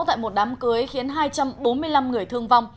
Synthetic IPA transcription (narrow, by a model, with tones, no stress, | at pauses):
wt̪a̰ː˧˨jmo˨˩t̚ɗaː˨˦mkɨ˨˦əjxi˨˦ənɦaː˧jt͡ɕa˧mɓo˨˦nmɨ˧əjla˧mŋɨ˨˩əjt̪ʰɨ˧əŋva˧wŋ͡m